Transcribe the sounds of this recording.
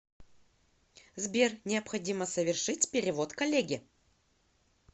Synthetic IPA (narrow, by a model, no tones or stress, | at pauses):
zbʲernʲɪɐpxɐdʲiməsəvʲɪrʂɨtʲpʲɪɾʲɪvo̞t̪kɐlʲeɡʲɪ